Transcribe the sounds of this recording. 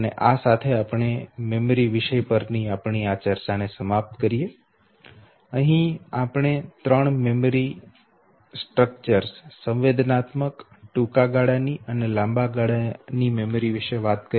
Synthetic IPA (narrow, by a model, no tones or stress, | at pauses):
ənḛʔasat̪ʰeapɳ̃ememoɾiʋɪʃəjpəɾniapɳ̃iat͡ʃəɾt͡ʃanesəmap̚t̪kəɾije | əɦĩapɽ̃et̪ɾəɳmemoɾi | sʈɾək̚t͡ʃəɾssə̃ʋʋed̪ʱnat̪mək | ʈũkaɡaɽaniʔənelãmbaɡaɽanimemɾiʋiʃəʋat̪kə